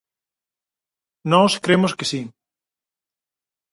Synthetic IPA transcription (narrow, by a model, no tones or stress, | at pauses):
nɔskɾemʊskɪsi